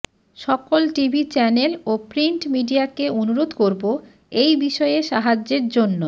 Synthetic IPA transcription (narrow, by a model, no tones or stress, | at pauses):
ʃɔkolʈibʱit͡ɕɛnelopɾiɳʈmiɖiakeonuɾod̪koɾbo | ejbiʃɔeeʃaɦad͡ʑeɾd͡ʑonːo